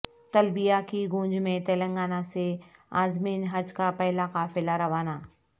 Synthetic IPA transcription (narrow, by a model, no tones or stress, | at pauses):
t̪ɐlbijakiɡũːnd͡ʒmẽt̪eːlə̃ŋɡaːnaseaːzmiːnɦɐd͡ʒkapɛɦlakaːfɪlaɾɐʋaːnaː